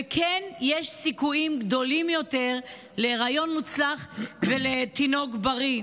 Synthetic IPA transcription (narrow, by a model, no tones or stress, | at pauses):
ekʰenjeʃsikuimɡd̪o̞limjo̞te̞ʁ | le̞ʁajo̞nmut͡slaχvelet̪ino̞ɡbaʁi